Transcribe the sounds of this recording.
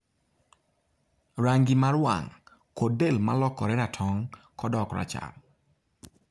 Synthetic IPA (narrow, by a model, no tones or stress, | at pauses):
ɾaŋɡimaɾwa̰ŋ | kodelma̰lɔkːɔɾɛnatʰɔŋ | kɔdɔkɾa̰t͡ʃa̰l